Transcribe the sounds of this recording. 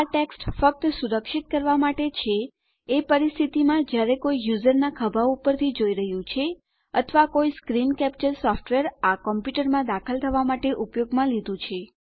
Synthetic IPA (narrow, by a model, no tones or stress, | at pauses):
aʈeksʈfək̚t̪suɾəkʃit̪̚kəɾʋamaʈet͡ʃʰeː | pəɾist̪ʰit̪imãd͡ʒjaɾekoijuzəɾnakʰəbʱaupəɾt̪ʰid͡ʒoiɾəɦjũt͡ʃʰe | ət̪ʰʋakoiskɾinkɛp̚t͡ʃəɾsɔfʈʋeɾakɔmpjuʈəɾmãd̪akʰəlt̪ʰəʋamaʈeʔupjoɡmãlid̪ũt͡ʃʰe